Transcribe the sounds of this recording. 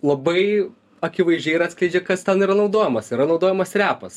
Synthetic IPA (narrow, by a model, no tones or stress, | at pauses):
lˠɐbɐɪ | ɐkʲɪʋɐɪzʒʲd͡ʒʲɛɪɾɑːt̪ʲsʲklʲɛɪd͡ʒʲɛkɐst̪ʲɛnɪɾɐnɒʊd̪oːjɛmɐsɪɾɐnɒʊd̪oːjɛmɐsrʲæːpɐs